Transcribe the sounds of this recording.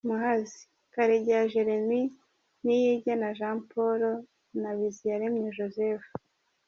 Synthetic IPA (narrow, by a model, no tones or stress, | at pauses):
muɦazi | kaɾeɟjaʒe̞ɾe̞mi | nijiɟanaʒaːmpoɾo | naβizijaɾemɲeʒozefu